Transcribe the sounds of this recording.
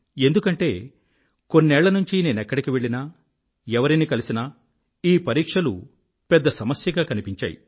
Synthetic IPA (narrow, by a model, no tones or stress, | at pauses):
e̞nd̪ukɐɳʈe̞ː | ko̞nːɛːɭːɐnuɲt͡ʃine̞ːnɛkːɐɽikiʋe̞ɭinɐ | ɛʋɐɾinikɐlisinɐ | iːpɐɾiːkʂɐlu | pɛd̪ːɐsɐmɐsjɐɡaːkɐnipiɲt͡ʃa̰ːjḭ